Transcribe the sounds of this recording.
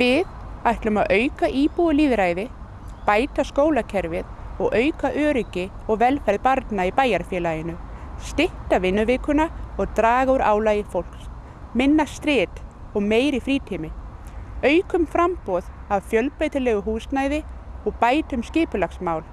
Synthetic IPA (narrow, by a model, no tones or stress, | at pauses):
vɪðajht̪lʏmaðʔœːɥkaʔiːpuɣʏliːðɾaːjðɪ | paːjt̪askoːwlacʰɛɾvɪðɔɣœːɥkaʔœːɾʏcɪ | ɔɣvɛlfɛɾðpaɾt̪naipaːjaɾfjɛlaːjɪnʏst̪ɪht̪avɪnːʏvɪːkʏnaɔɣt̪ɾaːɣaʏɾa̰ːwlaːjɪfowl̥ks | mɪnːast̪ɾɛːt̪ | ɔɣmeːjɾɪfɾiːt̪ʰimɪ | œːɥkʏmfɾampɔðavfjœlpɾajt̪ɪlɛːɣʏɦuːsnaːjðɪɔɣpaːjt̪ʏmscɪːpʏlaxsmaːwl